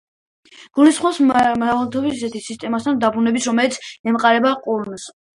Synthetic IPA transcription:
ɡ̥ulisχwasmavlˠt̪ʰɔbissɛt̪ʰisist̪ʼɛmast̪ʰand̪abɾunɛbisɾɔmɛlit̪sʰɛmqʼaɾɛbaqʼuɾns

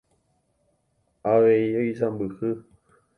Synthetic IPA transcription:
aʋeioisambɨhɨ

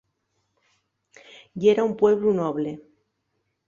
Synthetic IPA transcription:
jeɾaumpwe̞β̞lunoβle

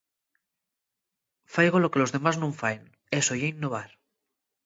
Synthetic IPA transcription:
fajɣ̞olokelo̞zðe̞maznũɱfaen | esojeinːoβ̞aɾ

